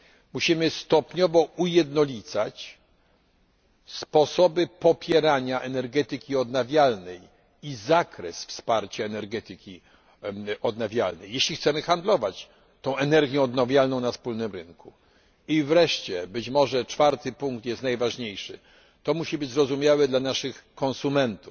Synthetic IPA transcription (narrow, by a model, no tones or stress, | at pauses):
muɕimɘst̪ɔpɲɔvɔujɛd̪nɔlʲit̪sa̰t͡ɕ | spɔsɔbɘpɔpʲjɛɾaɲaʔɛnɛɾɡɛt̪ɘkʲiɔd̪navʲjalnɛj | izakɾɛsfspaɾt͡ɕaɛnɛɾɡɛt̪ɘkʲi | ɔd̪navʲjalnɛjːɛɕlʲixt̪sɛmɘxand̪lɔvat͡ɕ | t̪ɔ̃w̃ɛnɛɾɡʲjɛ̃ɔd̪navʲjalnɔ̃w̃nafspulnɘmɾɘŋku | ivɾɛʂt͡ɕɛbɘt͡ɕmɔʐɛt͡ʂfaɾt̪ɘpuŋkt̪jɛst̪najvaʐɲejʂɘ̰ | t̪ɔmuɕibɘd͡ʑzɾɔzumʲjawɛd̪lanaʂɘxkɔ̃nsumɛnt̪uf